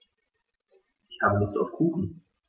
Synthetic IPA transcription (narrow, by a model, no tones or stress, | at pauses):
ʔɪçhaːbənɪstaʊfkʰuːxn̩